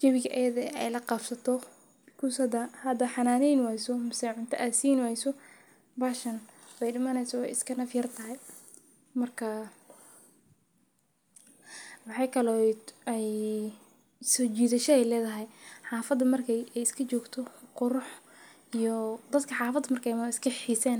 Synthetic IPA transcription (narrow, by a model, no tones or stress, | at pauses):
d͡ʒɐβɪɡɐʔɐjɐðɛɛjlɐqɑfsɐt̪ʰɔ | kʰusɐd̪ɐhɐd̪ɐħɑnaːnɛjnwɛjsɔmɪsɛjʕʊnt̪ʰɐʔaːsiːnwaːjsɔ | baːʃɐnbɛjɖɪmɐnɛjsɔɛ̰jɪskʰɐnɐfjɐrt̪ʰɐɦɛj | mɐrkʰɐ | wɑħɑjkʰɐlɔɛj | sɔt͡ʃiːðɐʃɐɛjlɛːðɐɦɛjħɑːfɐd̪ɐmɐrkʰɛjɛjɪskʰɐt͡ʃɔːɡt̪ʰɔqʊɾʊħ | ijɔd̪ɐd̪kʰɐħɑːfɐd̪ɐmɐrkʰɛjɪskʰɐħiːsɛːn